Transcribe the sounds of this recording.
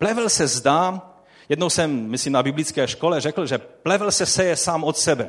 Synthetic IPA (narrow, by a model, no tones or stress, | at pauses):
plɛvlsɛzd̪aː | jɛd̪nowsɛmːislimnabɪblit͡skɛːʃkolɛrɛkl̩ʒɛplɛvl̩sɛsɛjɛsaːmot̪sɛbɛ